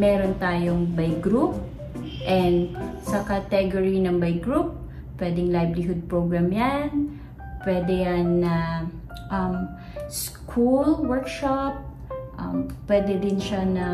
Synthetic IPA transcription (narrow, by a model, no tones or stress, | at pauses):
mɛːɾont̪aːjoŋbajɡɾup̚ | ʔɛnd̪sɐkɐt̪ɛɡoɹinɐŋbɐjɡɾup̚ | pːwɛd̪ɛŋlajblɪɦʊd̪̚pɹoɡɹamjan | pwɛːd̪ɛjanːɐ | ʔɐm | skʰulwɛɹkʃap̚ | ʔɐ̰mpːwɛːd̪ɛd̪ɪnʃanɐ